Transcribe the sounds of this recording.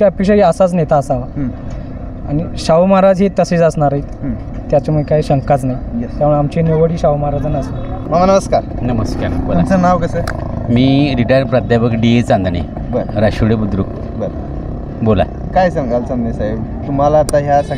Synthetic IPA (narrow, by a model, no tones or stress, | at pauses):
kapiɕaiəsat͡snet̪aːsaʋa | aɽ̃iɕaʋmaɾad͡zɦet̪əseːt͡səsnaɾait̪ː | t̪jat͡ɕamuekaiɕəŋkat͡snajjt̪aəɳamt͡ɕeneʋəɽiːɕawmaɾad͡zanasamaʋanəməskaɾnəməskaɾboluamt͡sənaʋkəsəmiːɾiʈajɾpɾad̪ʱjaʋəkɖiet͡sãnd̪anḭ | bəɾɾaɕuɽebud̪ɾuk | bəɾ | bola̰ | kajsəŋɡʱalt͡sãnd̪esajbt̪um̤alaːt̪aɦjasa